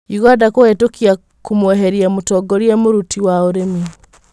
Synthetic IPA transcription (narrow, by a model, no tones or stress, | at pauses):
iɣwadakoetokia | kumweɦeɾiamutɔɡoɾijemuɾutiwaoɾemi